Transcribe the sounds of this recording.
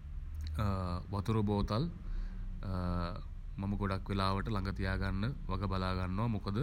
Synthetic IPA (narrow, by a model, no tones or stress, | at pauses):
ʋɐt̪uɾuboːt̪al | mɐmɐɡoɽakːʋelaːʋəʈəlaŋɡɐt̪ijaːɡanːəʋɐɡəbɐlaːɡanːuʋamokəd̪ə